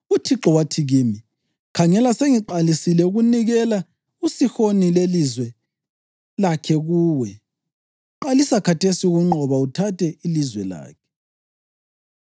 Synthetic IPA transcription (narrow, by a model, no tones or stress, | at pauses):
utʰiǁɔwatʰiɣiːmi | kʰaŋɛlaseŋiǃalisilɛuɣuniɣɛla | usixonilelizwɛ | lakʰɛɣuːwɛ | ǃalisakʰatesiuɣuŋ͡ǃɔβautʰatʰʼɛilizwɛla̰ːkʰɛ̥